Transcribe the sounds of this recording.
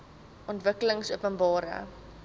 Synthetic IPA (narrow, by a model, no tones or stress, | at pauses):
ʔɔntvəkələŋsuəpənbɑːɾə̰